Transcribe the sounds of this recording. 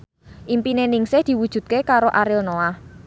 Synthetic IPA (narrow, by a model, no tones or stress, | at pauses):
ʔimpinenɪŋsɪhd̪̥i̤wud̥ʒ̥ṳt̪̚kekaɾoʔaɾɪlnoah